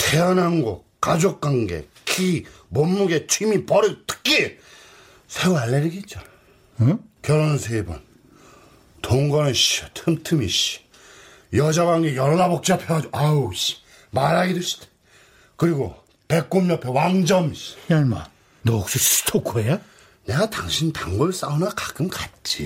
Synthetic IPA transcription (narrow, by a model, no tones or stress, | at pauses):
t̪ʰeʌnanɡo | k͈ad͡ʑok̚k͈waŋɡḛ | kʰi | momːuɡet͡ɕʰwimipʌɾɯtʰɯ̥k͈ʰːe | sʰeualːeɾiɡet̚t͡ɕ͈o | kjʌɾonnsʰebʌ̰n | toŋɡʌnɯɕitʰɯmtʰɯmḭɕi̥ | jʌd͡ʑaɣwaŋɡejʌɭːabʌk̚t͡ɕ͈ʌpʰjʌd͡ʑoaɕi̥ | maɾaɡidɯɕ͈ʰi̥te̥ | kɯɾiɡo̰ | pe̞k̚k͈omɲʌpʰewaŋd͡ʑʌmiɕjama̰ | nʌk̚s͈istʰok͈ʰoeja | ne̞ɡataŋɕʰinpjʌŋɡoɭs͈aunakḁk͈ɯmkat̚t͡ɕ͈i